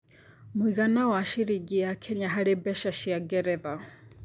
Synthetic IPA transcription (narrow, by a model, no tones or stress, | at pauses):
miɣanawaʃiɾiɡijakʰɛɲaɦaɺɛbɛʃaʃiaɡɛɾɛða